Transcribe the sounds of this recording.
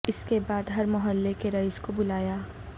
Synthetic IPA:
ɪskebaːd̪ɦɐɾmʊɦəlːekeɾɐɪskobʊlaːjaː

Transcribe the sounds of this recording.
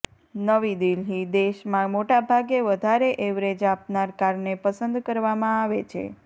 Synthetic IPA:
nəʋid̪ilɦid̪eʃmãmoʈabʱaɡeʋəd̪ʱaɾeʔeʋɾed͡ʒapnaɾkaɾnepəsənd̪kəɾʋamãaʋet͡ʃʰḛ

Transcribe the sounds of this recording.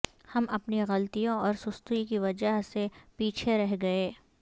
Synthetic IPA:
hɐmʔɐpniɣɐlt̪ijõɔːɾsʊst̪uikiʋɐd͡ʒəɦsepiːt͡ʃʰeɾɛɦɡɐeː

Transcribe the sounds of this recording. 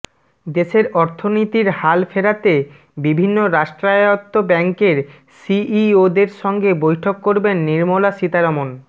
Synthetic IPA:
d̪eʃeɾɔɾt̪ʰonit̪iɾhalfeɾat̪e | bibʱinːoɾaʃʈɾaot̪ːobɛŋkeɾ | siiod̪eɾʃɔŋɡebojʈʰokːoɾbenːiɾmolaʃit̪aɾomon

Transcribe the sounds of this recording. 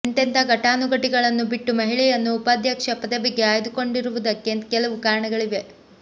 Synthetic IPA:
nt̪ent̪ʰɐɡɐʈaːnuɡɐʈiɡɐɭɐnːubiʈːumɐɦiɭɛjɐnːuːpaːd̪ʱjɐkʂɐpɐd̪ɐbeɡːe̞aːjd̪uko̞ɳɖiɾuʋud̪ɐkːekɛlɐʋukaːɾɐɳɐɡɐɭiʋe̞

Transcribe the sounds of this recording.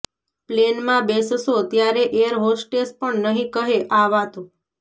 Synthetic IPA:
plenmãbessot̪jaɾeʔeəɾɦosʈʈespəɳnəɦĩkəɦeʔaʋat̪o

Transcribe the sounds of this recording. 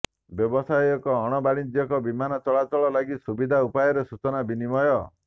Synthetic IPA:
bjɔbɔsajɔkɔːɽ̃ɔbaɽ̃id͡ʒ̪jɔkɔbimanɔt͡ʃɔɭatɔɭɔlaɡisubid̪ʱaupajɔɾesut͡ʃɔnabinimɔjɔ

